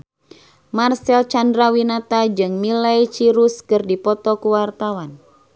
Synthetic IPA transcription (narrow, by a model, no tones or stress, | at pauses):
marsɛlt͡ʃandɾawinat̪ad͡ʒɨŋmilajt͡ʃiɾuskɨrdipɔt̪ɔkuwart̪awan